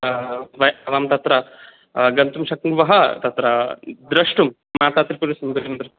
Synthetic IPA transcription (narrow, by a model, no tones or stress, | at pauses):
ʋɐjɐʋaːmt̪ɐt̪ɾɐ | ɡɐnt̪umʃɐkʋɐɦɐt̪ɐt̪ɾɐd̪ɾɐʂʈumːaːt̪aːt̪ɾipuɾisɐmɡɐɾɐnɐnd̪ɾu